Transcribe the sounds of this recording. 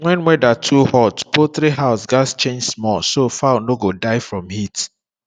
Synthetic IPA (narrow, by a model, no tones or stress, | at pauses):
wɛ̃nwɛdatʰuhɔtpoθɾiɦaʊsɡast͡ʃẽnd͡ʒsmɔsofanoɡodaɪfɹɔ̃mhit